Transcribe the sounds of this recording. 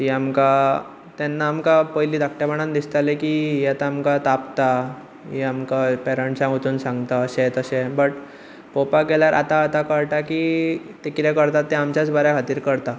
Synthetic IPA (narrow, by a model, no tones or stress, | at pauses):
iamka | t̪ɛnːaːmkapəjliːd̪ak̚ʈabəɽ̃and̪ist̪alekijat̪aːmkat̪apt̪a | iamkapɛɾəɳʈsãɡot̪uːnsãŋɡt̪aəsẽt̪əsẽbəʈ | popakeljaɾʔa̰t̪aːt̪akəɾʈaki | t̪ekiɾɛkəɾt̪at̪ːẽamt͡ɕjat͡sbəɾakʰat̪iːɾkəɾt̪a